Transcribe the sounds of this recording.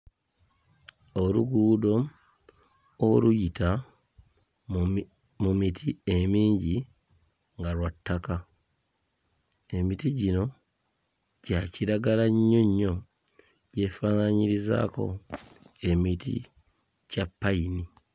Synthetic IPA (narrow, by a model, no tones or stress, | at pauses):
oluɡuːdo̞ | lujita | mumitʰie̞miːɲɟi | ŋɡalwatːaka | e̞mitiɟino̞ | ɟaciɾaɡalaɲːo̞ɲːo̞ | ɟ̥e̞fanaɲiɾiza̰ːko̞̰ | e̞mitḭ | capːaini